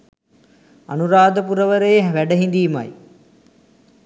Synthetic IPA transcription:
a̰nuɾaːd̪əp̬uɾəʋəɾəjeɦʋæɖəɦind̪iːma̰j

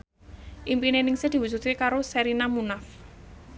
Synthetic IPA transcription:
ʔimpinenɪŋsɪd̪̥i̤wud͡ʒut̪̚kekaɾoseɾinamunaf

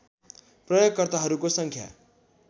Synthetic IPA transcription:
prʌjoɡ̚kʌrt̪aɦʌɾukosʌŋkʰja̰

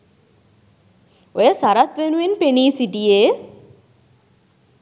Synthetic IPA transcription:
ojəsaɾat̪ʋenuʋenpeniːsiʈieː

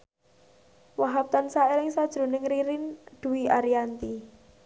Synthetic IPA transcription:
waɦap̚t̪ansaelɪŋsad̥ʒ̥ɾṳnɪŋɾiɾɪnd̪̥uiʔaɾiant̪i

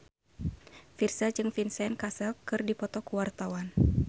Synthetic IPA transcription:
firsad͡ʒɨŋfinsɛnkasɛlkɨrdipɔt̪ɔkuwart̪awan

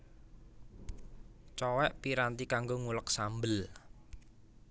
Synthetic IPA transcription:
t͡ʃɔwɛʔpiɾant̪ikaŋɡoŋulək̚sambəl

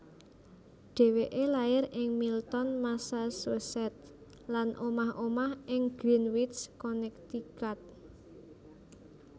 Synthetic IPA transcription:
ɖ̥e̤weʔelajɪɾɪŋmilt̪ɔnmasasosɛt̪̚ | lanʔomahʔomahʔɪŋɡ̥ɾinwit̪skɔnɛk̚t̪ikat̪̚

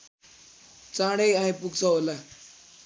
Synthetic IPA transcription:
t͡sãɽejãĩpuksɔɦola

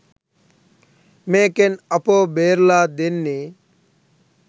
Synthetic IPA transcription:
meːkenɐpobeːɾlaːd̪enːi

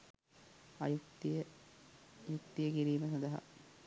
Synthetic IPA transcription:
ɐjukt̪ijə | juk̚t̪ijəkiɾiːməsɐnd̪ɐɦɐ̰

